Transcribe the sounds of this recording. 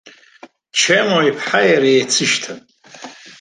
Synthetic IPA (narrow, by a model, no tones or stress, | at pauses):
t͡ʃʰemoipʰħajaɾajet͡sʰɨʃtʰapʼ